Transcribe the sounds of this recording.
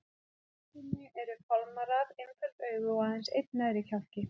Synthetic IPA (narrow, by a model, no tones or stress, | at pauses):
tinɪʔɛɾʏfalmaɾaðenfʏlt̪œːɥɣʏɔahɛnsejt̪̚naðɾɪcʰal̥cɪ